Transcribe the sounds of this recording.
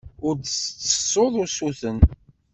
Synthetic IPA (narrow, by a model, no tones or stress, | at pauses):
ʊɾt͡sːə̥sˤːoðˤʊsuθən